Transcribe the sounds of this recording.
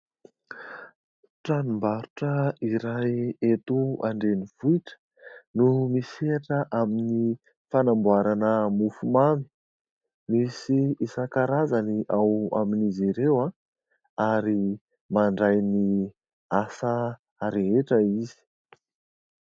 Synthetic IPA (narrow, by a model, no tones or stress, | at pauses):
ʈ͡ʂanumbaɾuʈ͡ʂəiɾajet̪uaɳɖ͡ʐeniv̥uiʈ͡ʂə̥ | numiseʈ͡ʂəʔamini | fanambuaɾanəmufumami̥ | misiisakaɾazaniʔawa̰miniziɾewa | aɾi | maɳɖ͡ʐajni | asa | ɾeeʈ͡ʂəizi̥